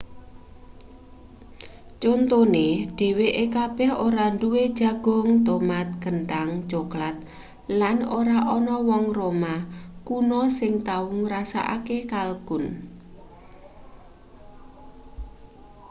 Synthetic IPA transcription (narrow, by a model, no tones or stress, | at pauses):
t͡ʃont̪oneɖ̥e̤weʔekab̥ɛ̤hoɾaɳduwed̥ʒ̥a̤ɡ̥ɔ̤ŋt̪omat̪̚ɡ̥ənʈ̪aŋd͡ʒoklat̪̚ | lanoɾaʔɔnɔwɔŋromakunɔsɪŋt̪auŋɾasa̰ʔa̰kekalɡ̥ʊn